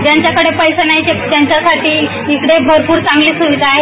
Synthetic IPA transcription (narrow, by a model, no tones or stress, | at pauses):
d͡ʑjaɲt͡ɕjakəɽepəjsənaɦit͡ɕed͡ʑ̪jaɲt͡ɕjasaʈʰiː | ikɽebʱoɾpuːɾt͡sãŋɡliːsuʋid̪ʱaːɦe